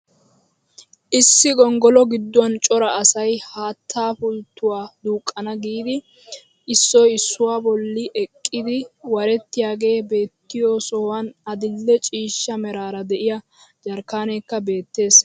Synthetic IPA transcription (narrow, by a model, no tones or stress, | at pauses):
ʔɪsːɪɡɔŋɡɔlɔɡɪd̪ːʊwɐnt͡ʃʼɔɾɐɐsɐjhaːt̪ʰːaːfʊlt̪ːʊwaːd̪uːkʼːɐnɐɡiːd̪ɪ | ɪsːɔjɪsːʊwaːbɔlːɪʔɛkʼːɪd̪ɪwɐɾɛt̪ːɪjaːɡe̞ːbe̞ːt̪ːɪjosɔwɐnɐd̪ɪlːɛt͡ʃʼiːʃːɐmɛɾaːɾɐd̪ɛʔɪjɐ | d͡ʒɐɾkaːnɛːkːɐbe̞ːt̪ːe̞ːs